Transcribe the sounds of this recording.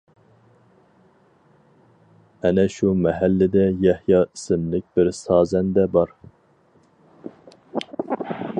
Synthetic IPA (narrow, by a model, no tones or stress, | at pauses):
ɛnɛʃumɛɦælːɪd̪ɛjɛhjɑːisɪnlɪk̚ʲbɪɾsɑːzɛnd̪ɛbɑɾ